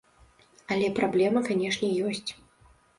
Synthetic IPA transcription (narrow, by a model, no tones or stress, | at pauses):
ɐlʲɛpɾablʲɛmɐkanʲɛʂnʲɛjɔsʲt͡sʲ